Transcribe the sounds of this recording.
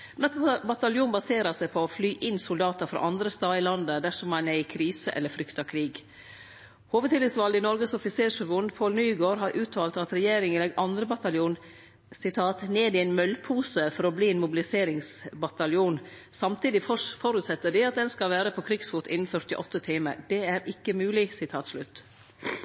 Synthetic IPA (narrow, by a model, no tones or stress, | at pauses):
mɛnɑt̪bɑt̪ɑljuːnbɑseːɾɑsæɪpʰɔːflyːʔɪnsʊld̪ɑːt̪ɑfɾɑ̰ʔɑnd̪ɾəst̪ɑːɪlɑnd̪əd̪æʂɔmɛnæɪkʰɾiːsəʔɛ̰lːəfɾʏkt̪ɑkʰɾiːɡ | hoːʋəd̪ʰɪlɪsʋɑld̪ɪnɔɾɡəsɔfɪseːɾʂʋʊnd̪pʰolnyːɡoːɾɦɑɾʔʉːt̪ʰɑːlt̪ɑt̪ɾɛjeːɾɪŋəlɛɡʔɑnd̪ɾəbɑt̪ɑljuːn | sɪt̪ʰɑːt̪neːd̪ɪæɪnmœlpʰuːsəfɔɾɔbliːɛɪnmʊbɪlɪseːɾɪŋsbɑt̪ɑljuːn | sɑmt̪ʰiːd̪ɪfɔɾʉt̪sɛt̪ːəɖɪɑt̪̚d̪ɛnskɑlʋæːɾəpʰoːkʰɾɪkɡsfuːt̪ʰɪ̰nn̩fœɾt̪ɪʔɔt̪ːət̪ʰiːmə̰d̪̥ɛæɾɪkːəmʉːlɪsɪt̪ʰɑːt̪slʉt̪ː